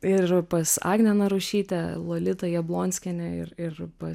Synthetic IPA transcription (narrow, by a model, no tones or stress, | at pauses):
ɪrpɐsɑ̰ːɡnʲɛnɐɾʊʃʲiːt̪ʲɛlˠoːlʲɪt̪ɐjiɛblˠoːnʲsʲkʲɛnʲɛɪ̰rɪrpɐs